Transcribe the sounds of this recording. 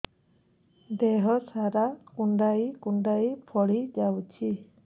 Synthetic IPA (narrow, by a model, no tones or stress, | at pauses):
d̪ɛɦɔsaɾakuɳɖajkuɳɖajpʰɔɽid͡ʒawt͡ʃʰi